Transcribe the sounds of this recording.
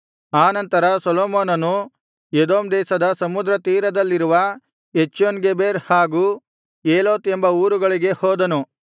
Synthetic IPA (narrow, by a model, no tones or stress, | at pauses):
aːnɐnt̪ɐɾɐsɐloːmoːnɐnu | jed̪oːmd̪ɛːsɐd̪ɐsɐmud̪ɾɐt̪iːɾɐd̪ɐlːiɾuʋɐ | et͡ʃːonɡebeːɾhaːɡuː | eːloːt̪embɐuːɾuɡɐɭiɡe̞hoːd̪ɐnu